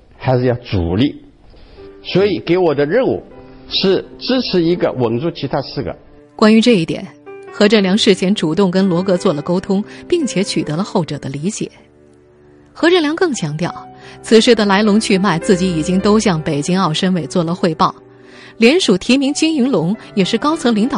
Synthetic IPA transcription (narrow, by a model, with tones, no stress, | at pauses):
xa˧˥ɪʂɻ̩˥˧jɑ˥˧˩ʊt͡sṵ˨˩li˥˩ | swɔ˧˥i˨˩ke˧˥ɪwɔ˨˩d̪ə˦ɻə˥˧nṵ˥˩ʂɻ̩˥˩ʈ͡ʂɻ̩˥ʈ͡ʂʰɻ̩˧˥i˧˥ɡə̰˧wə˨˩ŋʈ͡ʂu˥˩t͡ɕʰi˧˥t̪ʰa˥sɹ̩˥˩ɡə̰˩ | kwa˥ny˧˥ʈ͡ʂɤ˥˧i˥˩t̪jɛ̰˨˩˦nxɤ˧˥ʈ͡ʂɤ˥˩ljɑ˧˥ŋʂɻ̩˥˩t͡ɕʰjɛ˧˥nʈ͡ʂu˨˩t̪ʊ˥˩ŋkə˥nlwɔ˧˥kɤ˧˥t͡swɔ˥˩lə˩ko˥ʊt̪ʰʊ˥ŋpi˥˩ŋt͡ɕʰjɛ˧˥t͡ɕʰy˨˩t̪ɤ˧˥lə˧xo˥˩ʊʈ͡ʂɤ˨˩d̪ə˦li˧˥t͡ɕjɛ̰˨˩˦ | xɤ˧˥ʈ͡ʂɻə˥˩ljɑ˧˥ŋkɤ˥˩ŋt͡ɕʰjɑ˧˥ŋt̪jɑ˥˩ʊt͡sʰɹ̩˨˩ʂɻ̩˥˩d̪ə˩la˧˥ɪlʊ˧˥ŋt͡ɕʰy˥˧ma˥˧ɪt͡sɹ̩˥˩t͡ɕi˧˥i˨˩t͡ɕi˥ŋt̪o˥ʊɕjɑ˥˩ŋpe˨˩ɪt͡ɕi˥ŋɑ˥˩ʊʂə˥nwe˨˩ɪt͡swɔ˥˩lə˩xwe˥˧ɪpɑ˥˩ʊ | ljɛ˧˥nʂu˨˩t̪ʰi˧˥mi˧˥ŋt͡ɕi˥ŋy˧˥ŋlʊ˧˥ŋjɛ˨˩ʂɻ̩˥˩kɑ˥ʊt͡sʰɤ˧˥ŋli˧˥ŋt̪ɑ˨